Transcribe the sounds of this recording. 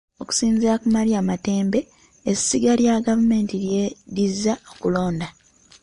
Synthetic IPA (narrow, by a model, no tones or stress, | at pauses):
o̞ku̥siːnziakumaliamate̞ːmbe̞ | esiɡaljaɡavume̞ːntiɾjeɾizːaokulo̞ːnda